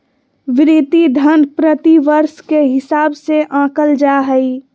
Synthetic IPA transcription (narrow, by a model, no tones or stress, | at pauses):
ʋɪɾit̪id̪ʱənpɾət̪iʋəɾʃkeɦɪsaːbseʔãːkəld͡ʒaɦəi